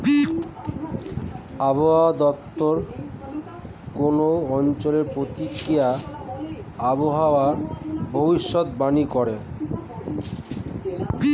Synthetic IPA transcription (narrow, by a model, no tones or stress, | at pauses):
aboɦad̪ɔtt̪ːoɾ | konoɔnt͡ɕoleɾpɾot̪ikɾija | aboɦaoabʱobiʃːot̪banikɔɾe